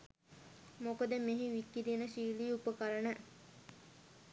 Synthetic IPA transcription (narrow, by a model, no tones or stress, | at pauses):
mokəd̪əmeɦiʋikːid̪inəʃiːliːupəkaɾənə